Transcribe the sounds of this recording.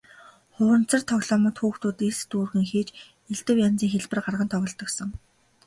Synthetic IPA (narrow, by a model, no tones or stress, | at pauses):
χʊːɾə̆n̥t͡sə̆rt̪ʰɔɣɮɔːmə̆t̪xuːxt̪uːt̪est̪uːrɣɘ̆ŋxeːt͡ɕ | eɮt̪ɘ̆wjant͡siːŋxeɮpɘ̆rɢarʁə̆nt̪ʰɔɣɞ̆ɮt̪ɞ̆ksə̆ŋ